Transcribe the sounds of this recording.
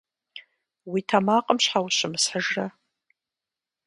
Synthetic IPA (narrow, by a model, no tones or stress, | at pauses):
witʰamaːqʼəmɕħawɕɪmɨsħəʒra